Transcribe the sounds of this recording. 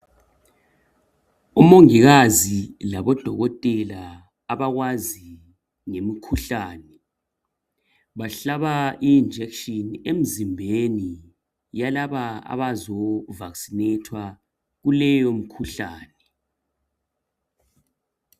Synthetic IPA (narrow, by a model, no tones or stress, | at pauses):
umoŋiɣazilaβɔd̥ʱɔɣɔtʼɛlaː | βaɣwazi | ŋemikʰuɬaːnɛ | βaɬaβaiːnd͡ʒʱɛkʃɔnem̩zimbʱeni | jalaβaa̰βazɔvaksinetʰwa | ɣulɛjom̩kʰuɬaːnɛ